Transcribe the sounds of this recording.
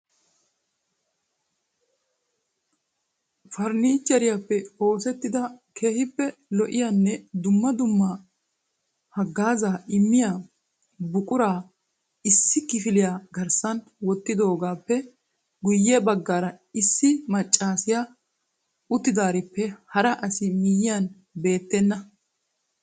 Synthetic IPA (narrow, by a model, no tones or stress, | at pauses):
fɐɾniːt͡ʃːɐɾɪjapːɛo̞ːsɛt̪ːɪd̪ɐkʰe̞ːhɪpːɛlɔʔɪjanːɛd̪ʊmːɐd̪ʊmːɐ | hɐɡːaːzaːɪmːɪjaː | bʊkʼʊɾaː | ɪsːɪkɪfɪlɪjaːɡɐɾsɐn | wɔt̪ːɪd̪o̞ːɡaːpːɛ | ɡʊjːɛbɐɡːaːɾɐɪsːɪmɐt͡ʃʼːaːsɪja | ʊt̪ːɪd̪aːɾɪpːɛhɐɾɐʔɐsɪmɪjɪjan | be̞ːt̪ːɛnːɐ